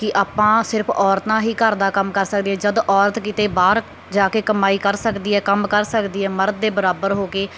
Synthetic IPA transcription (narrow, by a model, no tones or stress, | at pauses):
kɪʔaːpãːsɪɾpʰɔːɾt̪ãːɦiːkəɾd̪aːkəmkəɾsəkd̪iːɛːd͡ʒəd̪ʔɔːɾət̪kɪt̪eːbaːɾ | d͡ʒaːkeːkəmaːiːkəɾsəkd̪iːɦɛːkəmkəɾsəkd̪iːɦɛːməɾd̪̚ːeːbəɾaːbəɾɦoːkeː